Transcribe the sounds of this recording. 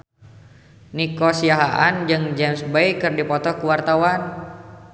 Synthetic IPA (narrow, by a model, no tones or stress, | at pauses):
nikɔsiaɦaʔand͡ʒɨŋd͡ʒɛmsbejkɨrdipɔt̪ɔkuwart̪awan